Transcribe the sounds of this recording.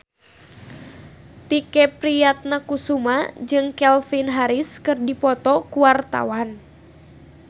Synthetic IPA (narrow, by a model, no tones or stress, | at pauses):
t̪ikɛpɾijat̪̚nakusumad͡ʒɨŋkɛlfinɦaɾiskɨrdipɔt̪ɔkuwart̪a̰wan